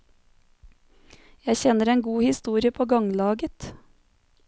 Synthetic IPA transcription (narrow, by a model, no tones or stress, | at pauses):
jæɪçɛnəɾeːnɡuːhɪst̪uːɾɪəpʰoːɡɑŋlɑːɡət̪